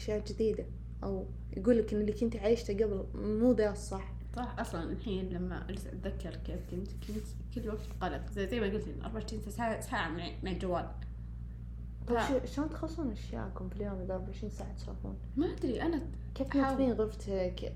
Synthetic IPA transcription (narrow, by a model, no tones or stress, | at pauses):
ʃjaːd͡ʒɪd̪iːd̪a | ʔaw | jɡuːlːakʔɪnːɪlːikʊnt̪ʕajɪʃt̪aɡablmuːd̪aːt̪sˤɑħ | sˤɑħʔɑsˤlɑnʔalħiːnlamːa̰ʔalzat̪ðakːɑɾˤkːɪfkʊnt̪kɪnt̪ | kɪlːwaɡtt̪ɣɑlɑt̪ˤzajmaɡult̪ɪnʔɑ̰ɾˤbaʕʃt̪iːnasaːʕamɪ | mɪʕɪld͡ʒawːaːl | t̪ˤɑbʃʃloːnt̪xɑsˤːuːnʔaʃja̰ːkʊmfiljoːmʔɪd̪aʔɑɾˤbaʕɪʃɾiːnsaːʕat̪sa̰ːfṵːn | maʔad̪ɾiʔana | keːft̪mat̪fiːnɣʊft̪ʰak